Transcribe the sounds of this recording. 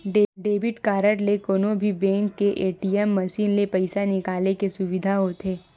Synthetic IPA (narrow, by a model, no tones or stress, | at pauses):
ɖeɖeːbɪʈkaːɾəɽlekoːnobʱibɛ̃ːŋkːeʔeːʈiːɛmːɐʃiːnlepɐɪsanɪkaːlekesʊʋɪd̪ʱaɦot̪ʰeː